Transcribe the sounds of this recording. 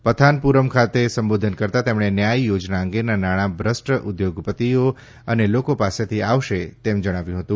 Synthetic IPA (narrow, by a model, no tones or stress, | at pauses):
pət̪ʰanpuɾəmkʰat̪esəmbod̪ʱənkəɾt̪at̪emɽ̃enjajiːod͡ʒnaə̃ŋɡenanaɽ̃abɾəsʈəʔud̪joɡpət̪io | ənelokopaset̪ʰiaʋʃet̪emd͡ʒəɽ̃aʋjũɦət̪ũ